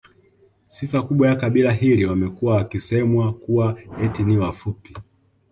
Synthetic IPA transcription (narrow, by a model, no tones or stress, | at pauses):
sifakuɓwajakaɓilaɦiliwamɛkuwawakisɛmwakuwaɛtiniwafupi